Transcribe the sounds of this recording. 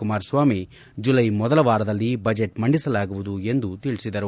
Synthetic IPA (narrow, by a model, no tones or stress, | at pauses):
kumaːɾsʋaːmi | d͡ʒulɐjmɔd̪ɐlɐʋaːɾɐd̪ɐlːibɐd͡ʒeʈmɐɳɖisɐlaːɡuʋud̪ue̞nd̪ut̪iɭisid̪ɐɾu